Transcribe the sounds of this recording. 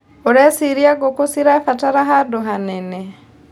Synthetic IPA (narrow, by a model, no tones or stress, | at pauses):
uɾesiɾiaɡokusiɾafataɾaɦaduɦanene